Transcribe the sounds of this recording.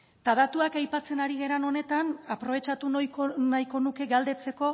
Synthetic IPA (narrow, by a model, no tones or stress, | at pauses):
t̪aðat̪uakajpat͡se̞naɾiɣe̞ɾano̞ne̞t̪anapɾo̞β̞e̞t͡ʃat̪unkonajko̞nuke̞ɣald̪e̞t͡se̞ko̞